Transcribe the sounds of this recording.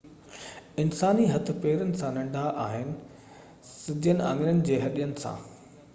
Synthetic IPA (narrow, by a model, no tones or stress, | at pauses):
ɪnsaːniɦɐt̪ʰɪ̆peːɾənɪ̆sãnɐ̃ɳɖʱaʔaːɦɪnɪ̆ | sɪd̪ʱjənɪ̆ã̰ːŋɡɪɾənɪ̆d͡ʑeːɦɐɗijənɪ̆sã̰ː